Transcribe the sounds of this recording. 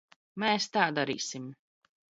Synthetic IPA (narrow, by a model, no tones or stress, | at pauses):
mɛːst̪aːd̪aɾḭːsim